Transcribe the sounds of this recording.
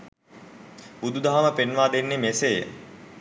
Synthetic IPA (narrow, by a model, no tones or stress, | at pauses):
bud̪ud̪aɦaməpenʋaːd̪enːemesejə̰